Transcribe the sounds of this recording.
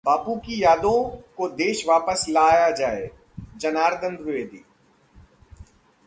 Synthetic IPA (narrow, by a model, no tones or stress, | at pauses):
baːpukijaːd̪õkod̪eːʃʋaːpəslaːjad͡ʒaːe | d͡ʒɐnaːɾd̪ə̃nd̪ʋɪʋeːd̪iː